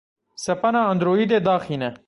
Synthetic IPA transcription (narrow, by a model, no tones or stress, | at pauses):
sepɐnaːnd̪ɾoːid̪ed̪ɑːxinɐ